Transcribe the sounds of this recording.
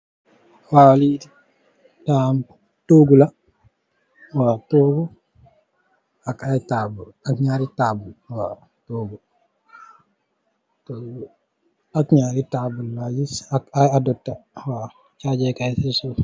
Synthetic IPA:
waliti | tam | toːɡula | watoːɡu | akajtabulakɲaɾitaːbulwa | toːɡu | to | akɲaːɾitabulːad͡ʒisakajadɔtːawa | t͡ʃad͡ʒɛkajsisu

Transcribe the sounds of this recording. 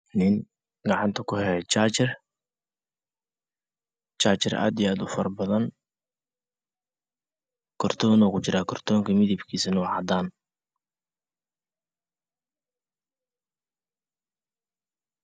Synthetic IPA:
nɪn | ɡɑʕɑnt̪ʰɐkʰʊhɛɛt͡ʃaːt͡ʃɪr | t͡ʃaːt͡ʃɪrʔa̰ːd̪ijaːd̪ʊfɐrbɐðɐn | kʰɔrt̪ʰɔːnɔːkʰʊt͡ʃɪɾaːkʰɔrt̪ʰɔːŋkʰɐmɪðibkʰiːsɐnɔːʕɑd̪aːn

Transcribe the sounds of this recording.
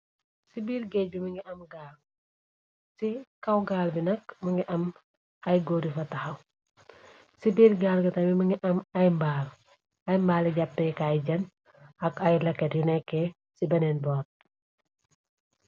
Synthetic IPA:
sibiːɾɡɛc̚bimɐŋɡɛʔɐmɡaːl | sikɐwɡaːlbinɐkmɐŋɡɛʔɐm | ɐjɡoːɾifɐtɐxɐw | sibiːɾɡaːlɡɐtɐmimɐŋɡiʔɐmɐjmbaːl | ɐjmbaːliɟapːɛkajɟɐn | ɐkɐjlɐkːɛtjunɛkːɛ | sibɐnɛnbɔːt̚

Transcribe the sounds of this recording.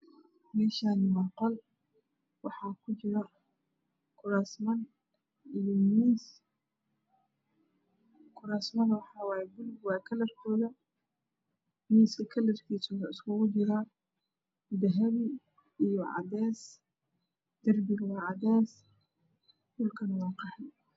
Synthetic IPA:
mɛːʃaːnɪwɑqɔl | wɑħɑːkʰʊt͡ʃɪɾɐ | kʰʊɾaːsmɐn | ijɔmiːs | kʰʊɾaːsmɐnwɑħɑwɑːjɛbʊlbwɑːkʰɐlɐrkʰɔːðɐ | miːsɐkʰɐlɐrkʰiːsɔːðɐɪskʰʊɣʊt͡ʃɪɾa | d̪ɐɦɐβi | ijɔʕɑ̰d̪ɛːs | d̪̥ɐrbiwɑːʕɑd̪ɛːs | bʊlkʰɐnwɑːqɑħɛ

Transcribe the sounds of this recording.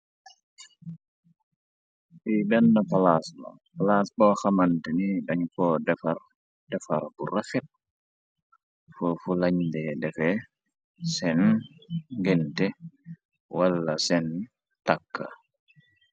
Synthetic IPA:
ʔibɛnːapalasmɔ̰ | palasbɔxamantɛniɗaɲkɔdɛfaɾ | dɛfa̰ɾburafit̚ | fɔfulaɲdɛdɛfɛ | sɛn | ɡɛntɛ | walːasɛn | takːa̰

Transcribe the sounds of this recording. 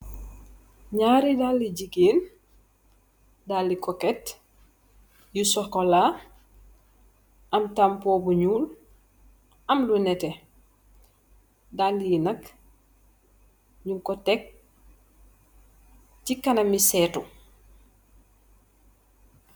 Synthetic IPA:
ɲaɾidalːiɟiɡeːn | dalːikɔkɛt | jusɔkola | ʔɐmtampoːbuɲuːl | ɐmlunɛtɛ | dalliinɐk | ɲuŋkɔtɛk̚ | cikːɐnɐmisɛːtu

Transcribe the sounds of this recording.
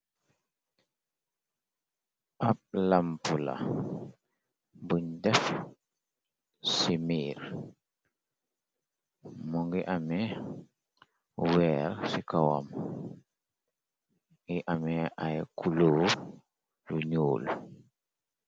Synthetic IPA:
ʔap̚lampula̰ | buɲdɛf | simiːɾ | muŋɡiʔamɛ | wɛːɾsikawa̰m | ɡiʔamɛʔajkulu | juɲuːl

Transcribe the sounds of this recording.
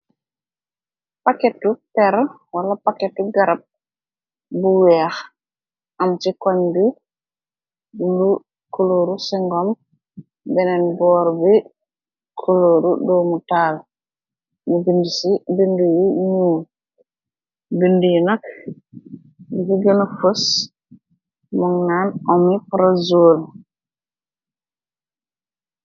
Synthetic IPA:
pakɛtupɛɾ | walapakɛtuɡaɾab̚ | buwɛax | ʔamt͡ʃikɔɲbi | ulu | kʰoloːɾusiŋɡɔm | bɛnɛnbɔːɾbi | kʰoloɾudɔmutaːl | mibindisibindujiɲuːl | bindujinak | bikiɡɛnafos | mɔŋnanʔɔmipɾazoːl

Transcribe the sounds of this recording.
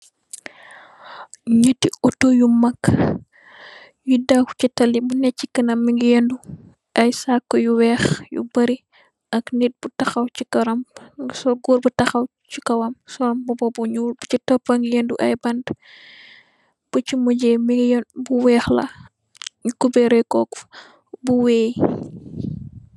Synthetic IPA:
ɲətːiɔtojumɐkː | judaku̥citɐlːibunɛcːikɐnɐmːiŋɡijɛndu | ʔɐjsakːɔjuwɛːxjṵbɐɾi | ɐknit̚butɐxɐwt͡ʃikɐɾɐmsɔɡɔɾbutɐxɐw | t͡ʃikɐwɐmsɔɾɐmbɔbɔbuɲuːlbut͡ʃitɔpːɐŋɡijenduʔɐ̰jbɐnd | b̥ut͡ʃimuɟɛmibuwɛːxlɐ̰ | ɲukubɛɾɛkɔk | buwɛːj

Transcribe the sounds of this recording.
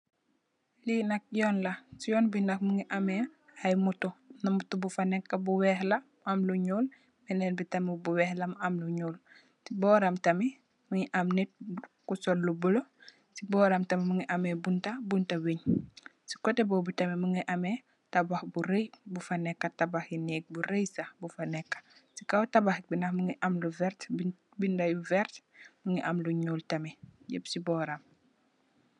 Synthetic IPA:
linɐk̚jɔːnlɐsijɔːnbinɐk̚muŋiʔɐmɛɐjmutunɐmutubufɐnɛkːɐbuwɛhlɐmuɐmluɲuːl | mɛnɛnbitɐmibuwɛhlɐmuɐmluɲuːl | sibɔɾɐmtɐmi | muŋiʔamnit̚kusɔlːubəlo | sibɔːɾɐmtɐmimuŋiʔɐmɛbuntɐbuntɐweɲsi̥kɔtɛbɔbutɐmɛmuŋiʔɐmɛ | tɐbaxbuɾəjbufɐnɛkːɐtɐbaxinɛːk̚buɾəjsɐbufɐnɛkːɐ̥sikawtɐbaxbinɐxmuŋiʔɐmluvɛɾt | bindɐjuvɛrtmuŋiʔɐmluɲuːltɐmɛɟəbsibɔːɾɐm

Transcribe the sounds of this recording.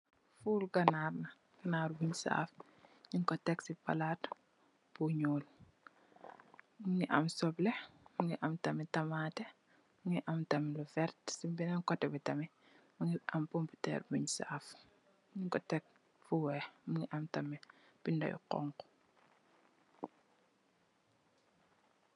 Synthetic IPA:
fuːlɡɐnaːrnɐ | ɡ̥ɐnaɾbuɲsa̰f | ɲiŋkɔtɛksipa̰lat | buɲuːl | muŋiʔɐ̰msɔblɛmuŋiʔamtɐmitɐmaːtɛ | muŋiʔɐmtɐmilufɛrtsibinaŋkɔtɛbitɐmi | muŋiʔampɔmputɛ̰ːrbuɲsːf | ɲiŋkɔtɛk̚ | fuwɛmuŋiʔamtɐmi | b̥indɐ̰jṵqɔ̰ŋkɔ̥

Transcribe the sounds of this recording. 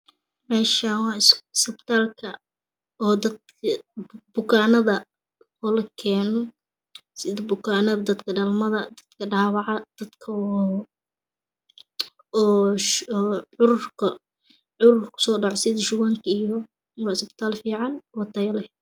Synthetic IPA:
mɛːʃɐwɑːɪssɪbt̪ʰaːlkʰɐ | ɔːd̪ɐd̪kʰɐbʊkʰaːnɐðɐ | ɔlɐkʰɛːnɔ | sɪðɐbʊkʰaːnɐðɐd̪ɐd̪kʰɐɖɐlmɐðɐd̪ɐd̪̥kʰɐɖaːwɑʕɑd̪̥ɐd̪kʰɐ | ʕʊɾʊrkʰɐ | ʕʊɾʊrkʰʊ̥sɔːɖɑʕɔsɪðɐʃʊwaːŋkʰɐijɔ | wɑːɪsbt̪ʰaːlfiːʕɑnwɑt̪ʰɐjɐlɐh

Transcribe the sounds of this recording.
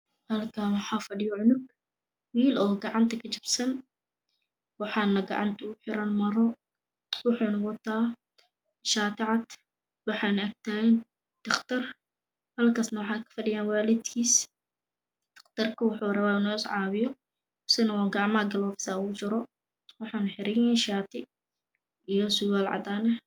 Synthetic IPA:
hɐlkʰaːwɑħaːfɐɖɪjɔʕʊnʊɡ̚ | wiːlɔːɡɑʕɑnt̪ʰɐkʰɐt͡ʃɪbsɐn | wɑħɑːnɐɡɑ̰ʕɑ̰nt̪ʰɐʊħɪɾɐnmɐɾɔ | wʊħunɐwɐt̪ʰaː | ʃaːt̪ɪʕɑd̪ | wɑħɑːnɐɡ̚t̪ʰɐɛn | d̪̥ɐχt̪ʰɐr | hɐlkʰaːsnɐwɑħɑːkʰɐ̥fɐɖɪjaːnwaːlɪd̪kʰiːs | d̪̥ɐ̥qt̪ɐrkʰɐwʊħurɐβaːɪnɔɪsʕɑːβɪjɔ | sɪnɐwaːɡɑʕmaɡɐlɔːfɪ̥saːuʊt͡ʃɪɾɔ | wɑħɑːnħɪɾɪjɛʃaːt̪ʰɪ | ʔijɔsʊwaːlʕɑ̰d̪aːnɐ

